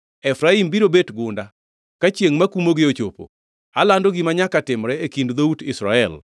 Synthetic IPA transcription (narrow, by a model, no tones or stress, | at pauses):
ɛfɾaimbiɾobetɡʊnda | kat͡ʃjeŋmakumoɡɪot͡ʃopo̰ | alandoɡɪmaɲakatɪmɾɛekindd̪outɪsɾa̰ɛl